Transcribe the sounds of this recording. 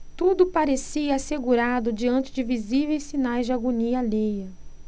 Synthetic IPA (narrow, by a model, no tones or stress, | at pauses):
t̪ud̪ʊpaɾesiɐːseɡuɾad̪ʊd͡ʒiɐ̃nt͡ʃɪd͡ʒɪvizivejssinajzd͡ʒaɡoniɐlejɐ